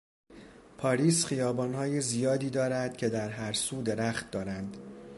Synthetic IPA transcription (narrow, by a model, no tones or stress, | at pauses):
pʰɒːɾiːsχijɒːbɒːnɦɒːjezijɒːd̪iːd̪ɒːɾæd̪̥cʲʰe̞d̪æɾɦæɾsuːd̪e̞ɾæχt̪̚d̪ɒːɾænd̪